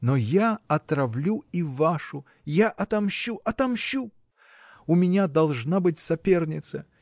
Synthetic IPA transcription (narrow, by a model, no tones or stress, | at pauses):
nojaɐt̪ɾɐvlʲuivaʂʊ | jaʔɐt̪ɐmɕːuʔɐt̪ɐmɕu | ʊmʲɪnʲad̪ɐlˠʐnabɨtʲsɐpʲe̞rnʲɪt̪sə